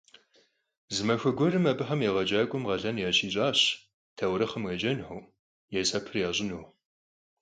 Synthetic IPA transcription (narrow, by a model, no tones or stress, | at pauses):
zɨmɐxʷɐɡʷɔrɨmɐbɨħɐmjeːʁɐd͡ʒaːkʷʼʊmʁɐɮɐnjaːɕiːɕʼaːɕ | tʰɐwɾɐχɐmɣɐd͡ʒɐnħuw | jɛsɐpʰɨrjaːɕʼɪnuː